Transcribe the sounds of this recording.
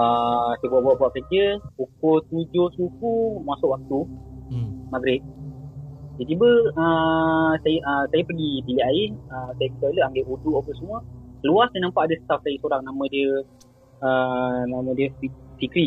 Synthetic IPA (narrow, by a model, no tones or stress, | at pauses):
əsajbuaʔbaʔbuaʔkəd͡ʒəpukolt̪ud͡ʒosukumasʊʔwak̚t̪u | maɡɾɪt̪̚ | d͡ʒat̪ibəəsajəʔəsajəpəɡibiliʔaɪəsajəkət̪aləaŋɡeʔuduʔapənsəmuəluasaənampaʔdəsə̥t̪af̚sajəsoɾaŋnamə̃diə | ənamə̃diəfifikɾi